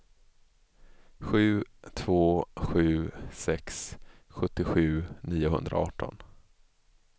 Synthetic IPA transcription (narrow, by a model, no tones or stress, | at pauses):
ɧʉ̟ːt̪ʰv̥oːɧʉ̟ːsɛksɧɵt̪ːɪɧʉ̟ːniːʊɦɵ̰nd̪ɾa̰ɑ̰ːʈʰːɔ̰n